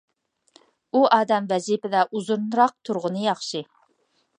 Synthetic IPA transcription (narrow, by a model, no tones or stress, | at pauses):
uʔɑːd̪ɛmvɛzipɪd̪ɑʔuzuɾnɾɑq̚t̪ʰuɾʁʊnɨjɑχʃi